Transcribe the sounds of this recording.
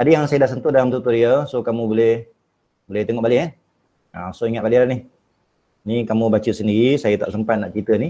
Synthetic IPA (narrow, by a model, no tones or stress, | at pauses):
adəjaŋsajədahs̬ənt̪ʊdalamt̪ut̪ʊdiəsokamũbolɛh | bolɛht̪eŋoʔbalɪʔan | asoiŋat̪̚baliɾanɪh | nikamũbat͡ʃəsəndiɾisajət̪a̰ʔsəmpat̪̚naʔt͡ʃɾit̪əni